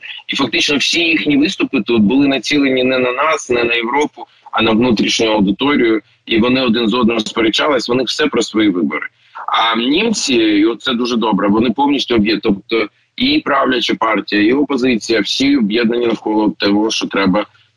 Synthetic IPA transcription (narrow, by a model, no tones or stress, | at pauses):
ifɐk̚t̪ɪt͡ʃnɔwsʲijixnʲiʋɪst̪ʊpɨt̪ɔt̪̚bʊlˠɪnɐt͡sʲilˠenʲinɛnɐnɑsnɛnɐjeʋɾɔpʊ | ɐ̰nɐʋnut̪ɾʲiʃnʲʊjʊɐwd̪ɪt̪ɔɾʲijʊ | iʋɔnɪɔd̪ɪnzɔd̪nɾɔspɔɾʲet͡ʃːɑlˠɪsʲʋɔnɪw̥sɛpɾɔsʋɔjiʋɪbɔɾɪ | ɐnʲimt͡sʲiiɔt̪sɛd̪uʒɛd̪ɔbɾɛɔnɪpɔwnʲisʲtʲʊɔbjɛt̪ɔp̚t̪ɔ | ipɾɑwlʲɐt͡ʃɪpɑrtʲijɐiɔpɔzɪt͡sʲijɐwsʲiɔbjɛd̪̚nɐnʲinɐwkɔlˠɔt̪ɛɦɔʃt͡ʃɔt̪ɾɛbɐ